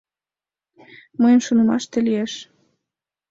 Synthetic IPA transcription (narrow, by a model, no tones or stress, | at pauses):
məjənʃonə̆mɑʃt̪elieʃ